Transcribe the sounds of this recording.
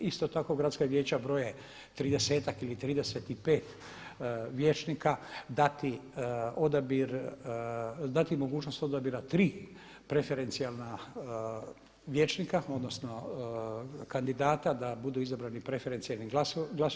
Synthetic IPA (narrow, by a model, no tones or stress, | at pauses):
ist̪o̞t̪akoɡɾat̪skaʋjeːt͡ɕabɾo̞je | t̪ɾiːd̪ese̞ːt̪akilit̪ɾiːd̪eset̪ipe̞ːt̪ | ʋjeːt͡ʃnikad̪at̪io̞d̪abiɾ | d̪at̪imoɡuːt͡ʃno̞st̪o̞d̪abiɾat̪ɾiː | pɾe̞fe̞ɾe̞nt̪sijalˠna | ʋje̞ːt͡ʃnikao̞d̪no̞sno̞ | kand̪id̪aːt̪ad̪abud̪uizabɾanipɾefeɾe̞nt̪sijalniɡasɡlas